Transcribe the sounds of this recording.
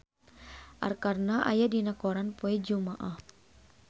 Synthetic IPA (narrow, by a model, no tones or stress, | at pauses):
ʔa̰rkarnaʔa̰jadinakɔɾanpoɛd͡ʒumaʔah